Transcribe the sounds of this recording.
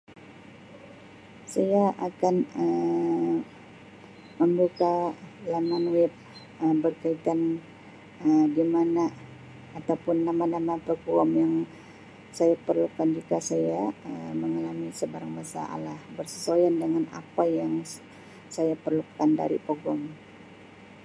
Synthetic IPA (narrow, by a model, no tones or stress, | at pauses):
sajaʔakanə | məmbukalamanwɪp̚ | əbərkait̪an | ədimana | at̪awpʊnːamanamapəɡɔmjaŋ | sajapərlukand͡ʒikasajaəməŋalamisəbaɾaŋbasa̰ʔa̰lahbərsəsojandəŋana̰pajaŋ | sajapərlukanda̰ɾḭpəɡɔm